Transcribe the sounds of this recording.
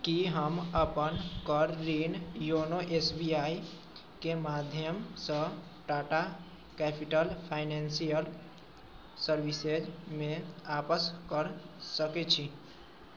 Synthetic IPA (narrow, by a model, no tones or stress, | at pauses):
kiɦəməpənkəɾːinjonoʔesbiai | kemad̪ʱjəmsə̃ | ʈaʈa | kɛpʰiʈəlpʰaɪnensijəl | səɾbised͡ʒmeapəskəɾsəkɛt͡ʃʰi